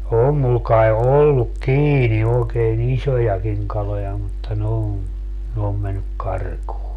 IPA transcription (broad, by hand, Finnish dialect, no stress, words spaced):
oːm mul kɑe olːuk kiːni oːkeːn isʲojɑkiŋ kɑlojɑ mutːɑ ne om ne om menːyk kɑrkuː